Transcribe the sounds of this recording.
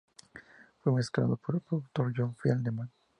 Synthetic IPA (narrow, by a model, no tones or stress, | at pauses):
fwemeskɾa̰ðopoɾpokt̪oɾd͡ʒɔnfjald̪emãn